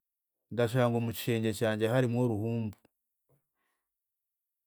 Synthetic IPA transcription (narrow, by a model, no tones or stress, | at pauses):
ndaʃ̬aːŋɡo̞muci̥ʃe̞ːɲɟecaːɲɟahaɾimwo̞ːɾuhuːmbu